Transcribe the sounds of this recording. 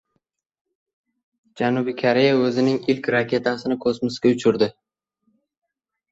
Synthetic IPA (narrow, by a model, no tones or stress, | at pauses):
d͡ʒanubɪkʰaɾe̞jaɵzɪnɪŋɪlkʲɾakʲe̞t̪ʰasɪnɪkʰɵsmɪskʲaʊt͡ʃʰʊɾd̪ɪ